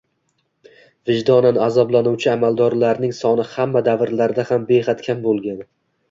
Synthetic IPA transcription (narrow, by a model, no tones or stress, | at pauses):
vɪd͡ʒd̪ɒnanazɒblˠanuwt͡ʃʰɪamalˠd̪ɒɾlaɾnɪŋsɒnɪhamːad̪avɾlaɾd̪ahambehat̪kʲʰambolˠɡʲan